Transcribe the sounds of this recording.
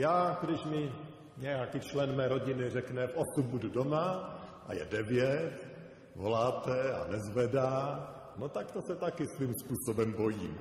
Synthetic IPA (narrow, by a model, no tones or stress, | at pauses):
jaːɡdɪʃmɪ | ɲɛjakit͡ʃlɛnmɛːɾo̞ɟɪnɪrɛknɛfʔosumbududomaʔa̰jɛ̰dɛvjɛt̪ | vo̰laːt̪ɛa̰nɛzvɛdaː | not̪akt̪osɛt̪akɪsvimspuːsobɛmbo̞jiːm